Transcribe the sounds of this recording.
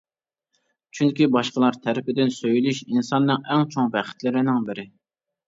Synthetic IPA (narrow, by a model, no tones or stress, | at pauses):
t͡ʃʰyŋkʲibɑʃqəlˠɑɾt̪ʰɛɾɪpɪd̪ɪnsøjilyʃinsɑnːɨŋɛŋt͡ʃʰoŋbɛχɪ̥t̪lɪɾɪnɪŋbɪɾɪ